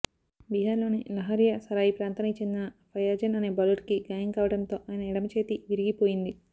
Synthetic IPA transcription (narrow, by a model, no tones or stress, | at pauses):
biɦaːɾlo̞ːnilɐɦɐɾjɐsɐɾaːjipɾaːnt̪anɐkit͡ʃend̪inɐpʰɐjaːd͡ʒɐnɐne̞ːbɐlɐʈkiɡaːjɐŋkaːʋɐɽɐnt̪o̞ːʔaːjɐnɐiɽɐmɐt͡ʃeːt̪iʋiɾiɡipo̞ːjind̪i